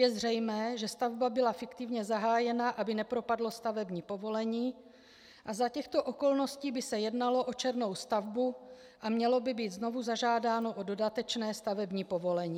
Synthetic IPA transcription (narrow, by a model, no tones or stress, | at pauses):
jɛzr̝ɛjmɛːʒɛst̪avbabɪlafɪkt̪ɪvɲɛzaɦaːjɛnaʔabɪnɛpɾo̞padlo̞st̪avɛbɲiːpo̞vo̞lɛɲiː | ʔazacɛxt̪o̞ʔo̞ko̞lno̞sciːbɪsɛjɛdnalo̞ʔo̞t͡ʃɛɾno̞wst̪avbu | ʔamɲɛlo̞bɪbiːt̪zno̞vuzaʒaːdaːno̞ʔo̞do̞dat̪ɛt͡ʃnɛːst̪avɛbɲiːpo̞vo̞lɛɲiː